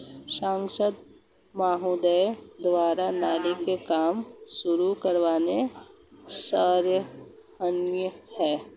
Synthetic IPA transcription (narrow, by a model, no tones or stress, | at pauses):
sãːŋsəd̪̚ | maːɦud̪əjd̪ʋaːɾanaːlikekaːmʃʊɾukəɾʋaːne | saːɾjə | ənjəhɛː